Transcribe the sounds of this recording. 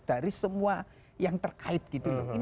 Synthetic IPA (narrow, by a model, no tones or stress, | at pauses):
d̥aɾisəmua | jaŋt̪ərkaɪt̪̚ɡ̥it̪uin